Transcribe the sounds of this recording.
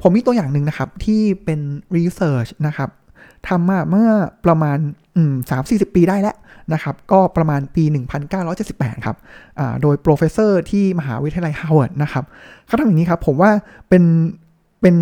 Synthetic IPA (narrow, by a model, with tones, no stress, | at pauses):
pʰo˩˦mːiː˧t̪u˧əjaː˨˩ŋnɯ˨˧ŋna˦˥kʰa˦˥p̚t̪ʰiː˥˩pe˧nɾiː˧sɤː˨˥t͡ɕʰna˦˥kʰa˦˥p̚ | t̪ʰa˧mːaː˧˩mɯ˥˩ɐpɾa˧maː˧n | ʔɯ˨˩saː˩˦msiː˨˩si˨˩pːiː˧daː˥˩jlɛ˦˥ʔna˦˥kʰa˦˥p̚kɔː˥˩pɾa˧maː˧npiː˧nɯ˨˩ŋpʰa˧nkaː˥˩wɾɔː˦˥jt͡ɕe˨˩t̪si˨˩pːɛː˨˩t̪̚kʰa̰˦˥p̚ʔa̰ː˨˩doː˧jpɾoː˧fʰe˦˧˥sɤː˥˩t̪ʰiː˥˩ma˧ɦaː˩˦wi˦˥t̪ʰa˧jʔʰa˧˩wt̪̚na˦˥kʰa˦˥p̚kʰa˥˩tʰa˧˨jːniː˦˥kʰa˦˥pʰːo˩˦mwaː˥˩pe˧n | pe˧n